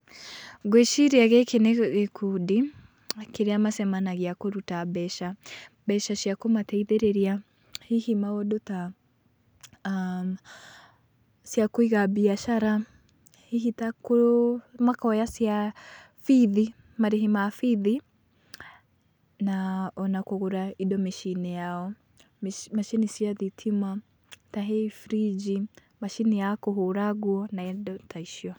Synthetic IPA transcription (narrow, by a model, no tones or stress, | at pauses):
ɣweʃiɾeaɣekeneɣekudi | keɾeamasɛmanaɣeakoɾutabɛʃa | bɛʃaʃjakomatɛiðeɾeɾia | hihimaɔdota | sjakwiɣabiaʃaɾa | hihitakomwakaɔjasia | fiði | maɾiɦimafiði | naɔnakuɣuɾaiɗɔmiʃinɛjaɔ | maʃinisiaðitʰima | taɦɛifɾid͡ʒi | maʃinijakɔɦuɾaɡuɔnaiɗɔtaiʃiwa